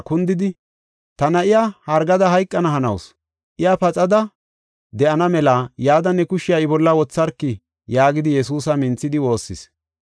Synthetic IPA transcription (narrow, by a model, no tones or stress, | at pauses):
kʊnd̪ɪd̪ɪ | t̪ɐnɐʔɪjaːhɐɾɡɐd̪ɐɦɐjkʼːɐnɐɦɐnɐ̰ws | ʔɪjapɐt͡sʼɐd̪ɐ | d̪ɛʔɐnɐmɛlaːjaːd̪ɐnːɛkʊʃɪjaɪbɔlːɐwɔt͡sːɐɾkːɪ | jaːɡɪd̪ɪjɛsuːsɐmɪnt͡sːɪd̪ɪwo̞ːsːɪ̰s